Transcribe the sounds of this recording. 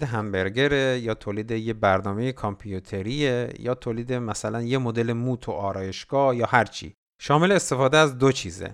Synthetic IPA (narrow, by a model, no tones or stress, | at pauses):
d̪eɦæmbe̞ɾɡe̞ɾejɒːt̪ʰoːliːd̪ejebæɾnɒːmeje̞kʰɒmpʰijut̪ʰe̞ɾiejɒːt̪ʰoːliːd̪e̞mæsælænjemod̪e̞le̞muːt̪ʰoʔɒːɾɒːje̞ʃɡ̥ɒːhjɒːhæɾt͡ʃʰḭː | ʃɒːme̞leːst̪e̞fɒːd̪eæzd̪ot͡ʃʰiːzḛ